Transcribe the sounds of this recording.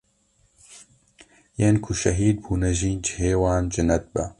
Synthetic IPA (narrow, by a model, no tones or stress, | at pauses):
jeːnkʰuʃɐɦiːd̪̚buːnɐʒiːnd͡ʒheːwaːnd͡ʒɨnɐt̪̚bɐ̰